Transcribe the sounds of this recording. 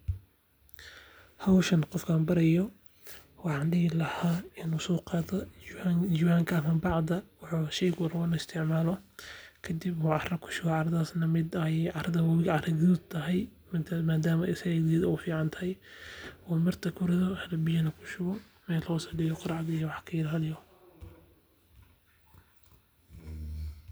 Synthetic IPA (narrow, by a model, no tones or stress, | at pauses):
hɐwʃɐnqɔfkʰaːnbɐɾɐjɔ | wɑħɑːnɖɪɣɪlɐhaːɪnusɔːqɑːðɐ | d͡ʒiwaːŋkʰɐɐmɐbɑʕd̪ɐwʊħuʃɛjɡwɐɾwɔnɐɪst̪ʰɪʕmaːlɔkʰɐd̪ibuːʕɑrɐkʰʊ̥ʃʊɣɔʕɑɾɐðaːsnɐmɪd̪ɛjʕɑɾɐðɐwɐwɪɣʕɑrɐɣt̪ʰɐɦɛj | maːd̪aːmɐɪsɐɣɛðiːðɐɔːfiːʕɑnt̪ʰɐɦɛjwɔːmɪrt̪ʰɐkʰʊɾɪðɔhɾɐbɪjɐnɐkʰʊ̥ʃʊɣɔ | mɛːlɔːsɐɖɪjɔqɑɾɑʕd̪jɔwɑħkʰɐɪlaːlɪjɔ